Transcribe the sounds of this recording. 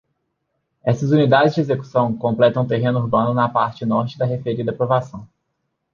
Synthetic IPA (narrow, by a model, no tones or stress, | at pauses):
ɛsɐzunid̪ad͡ʒɪzd͡ʒɪezeku̥sɐ̃w̃kõmplɛt̪ɐ̃t̪eɦẽnʊuɾbɐ̃nʊnɐpaɾt͡ʃɪnɔɾt͡ʃɪd̪ɐɦefeɾiɐd̪ɐpɾovasɐ̃w̃